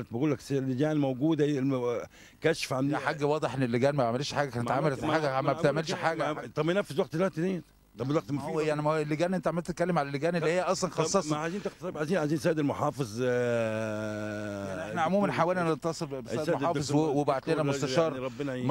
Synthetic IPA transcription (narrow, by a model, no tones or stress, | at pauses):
t̪beɡuːlːæksælːeɡæːnmowɡuːd̪æ | kæʃfʕanħaɡːæwɑːd̪ˤeħʔenːelːeɡæːnmæbeʕmeliːʃħaːɡækænet̪ʕamælæfiħaːɡææmːæbet̪eʕmelʃʃħaːɡæt̪ˤɑbnæfːezwæɡ̚t̪elwæt̪d̪e | t̪ˤɑbelwɑɡt̪mjaʕnimelːeɡæːnʔent̪æʕamelt̪et̪̚kːælːemʕalælːeɡæːnelːihejːæʔɑsˤlɑnxɑˤːɑsˤɑʕaziːnt̪eqt̪ɑt̪ˤebʕaziːnʕaziːnsæːd̪elmoħɑːfezˤ | jaʕʔḛnæʕomuːmænħawæːlnænet̪ːɑsˤeɾbesæːdɑːezˤwwebaʕt̪ːeːnæmost̪æʃɑːɾˤɾˤɑbːen